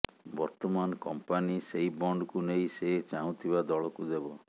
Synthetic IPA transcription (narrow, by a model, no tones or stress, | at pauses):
bɔɾt̪ɔmanɔkɔmpaniseibɔɳɖkunejset͡ʃaɦũt̪ʰibad̪ɔɭɔkud̪ebɔ